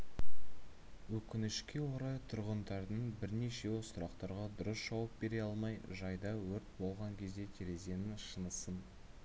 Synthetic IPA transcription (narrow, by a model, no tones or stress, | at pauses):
wɵkʲɪnɪʃkʲe̞woɾɑjt̪ʰʊɾʁənd̪ɑɾd̪əɴbɪɾne̞ʃe̞sʊɾɑqt̪ɑɾʁɑd̪ʊɾəsʒ̥ɑwəp̚be̞ɾe̞ɑlˠmɑjʒɑjd̪ɑwɵɾt̪̚bo̞lˠʁɑŋkʲʰe̞zd̪e̞t̪ʲʰeɾe̞ze̞nɪʃənəsən